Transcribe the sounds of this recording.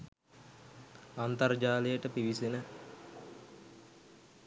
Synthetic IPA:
ant̪ard͡ʒaːlijəʈəpiʋisenə

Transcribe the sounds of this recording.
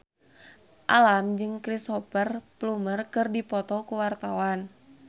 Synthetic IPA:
ʔalamd͡ʒɨŋkɾisɔpərplumərkɨrdipɔt̪ɔkuwart̪awan

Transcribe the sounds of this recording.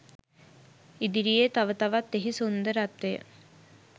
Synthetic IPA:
id̪iɾijet̪aʋət̪aʋat̪ːeɦisund̪əɾat̪ʋejə̰

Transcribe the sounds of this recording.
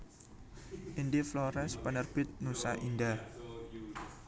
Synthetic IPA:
ʔindiflɔɾɛnspənərb̥ɪt̪̚nusa̰ʔinda

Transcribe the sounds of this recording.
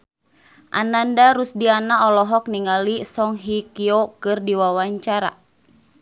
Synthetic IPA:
ʔa̰nandaɾusdianaɔlɔɦɔk̚niŋalisɔŋɦikiokɨrdiwawaɲt͡ʃaɾa̰

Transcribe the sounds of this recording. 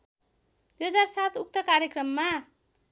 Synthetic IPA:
d̪̥ujɦʌd͡zarsat̪ʰuk̚t̪ʌkaɾjekrʌmːa

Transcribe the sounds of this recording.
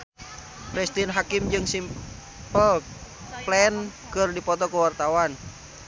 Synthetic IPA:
pɾist̪inɦakimd͡ʒɨŋsim | pəl | plɛn | kɨrdipɔt̪ɔkəwart̪awan

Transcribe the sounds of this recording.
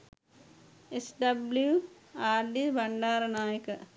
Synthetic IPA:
esɖɐblju | aːɾɖibɐɳɖaːɾnaːjək

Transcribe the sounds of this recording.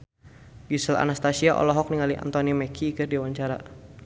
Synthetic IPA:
ɡisəla̰nast̪asiaʔɔ̰lɔɦɔk̚niŋaliʔa̰nt̪ɔnimɛkʰiːkərdiwaɲt͡ʃaɾa

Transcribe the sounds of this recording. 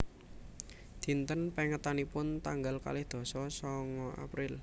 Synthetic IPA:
d̪̥i̤nt̪ənpɛŋət̪anipʊnt̪aŋɡalka̰lɪhd̪̥o̤sɔsɔŋɔʔa̰pɾɪl

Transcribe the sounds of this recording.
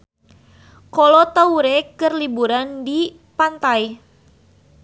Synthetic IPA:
kɔlɔt̪auɾɛkɨrlibuɾandi | pant̪aj

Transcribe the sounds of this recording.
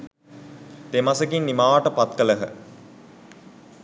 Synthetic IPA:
t̪emasəɡinːimaːʋaʈəpat̪kələɦə

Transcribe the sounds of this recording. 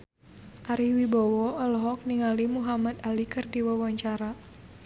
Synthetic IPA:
ʔaɾiwibɔwɔɔlɔɦɔk̚niŋalimuɦamat̪alikɨrdiwawaɲt͡ʃaɾa

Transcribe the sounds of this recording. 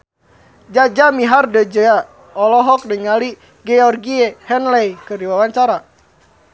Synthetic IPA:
d͡ʒad͡ʒamiɦardəd͡ʒəa | ɔlɔɦɔk̚dəŋali | ɡɛɔrɡiehɛnlɛjkərdiwawaɲt͡ʃaɾa

